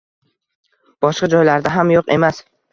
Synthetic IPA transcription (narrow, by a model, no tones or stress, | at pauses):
b̥ɒʃqɑd͡ʒɒjlaɾd̪aɦamjoqe̞mas